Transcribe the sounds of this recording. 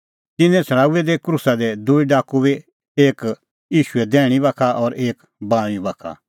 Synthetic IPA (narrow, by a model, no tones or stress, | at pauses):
t̪ɪnɛ̃t͡sʰɐɽ̃aːuɛd̪ɛkɾusad̪ɛd̪uiɖaːkubi | eːk | jiːʃʊɛd̪ɛːɽ̃ibakʰaʔɔɾeːk | bãːʋ̃ĩbakʰa̰